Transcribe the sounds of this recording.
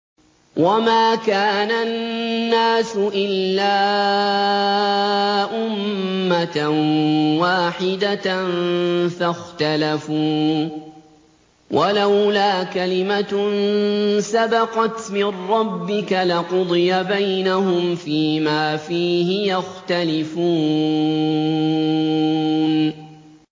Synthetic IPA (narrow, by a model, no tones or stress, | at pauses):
wʔamaːkaːnanːaːsʊʔɪlːaː | ʔʊmːat̪ | waːħɪd̪anfaxt̪alafuː | wʔalawlaːkalɪmansabɑqɑt̪mɪnɾɑbːɪkalɪqʊd̪ˤɨjabajnahʊmfiːmaːfiːhɪjaxt̪alɪfuː | n